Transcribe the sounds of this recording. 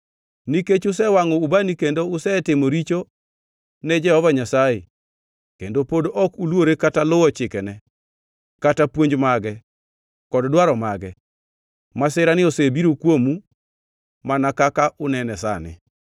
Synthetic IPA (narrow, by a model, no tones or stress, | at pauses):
niket͡ʃʊs̬ɛwaŋɔubanikendoʊsɛtɪmoɾit͡ʃo | nɛd͡ʒɛɔvaɲasajḛ | kendopodʔɔkulwoɾekatalʊɔt͡ʃɪkɛnɛ | katapwoɲd͡ʒmaɡɛ | kɔddwaɾɔmaɡɛ | masɪɾanɪosebiɾokwomu | manakakaʔʊnɛnɛsa̰nɪ̰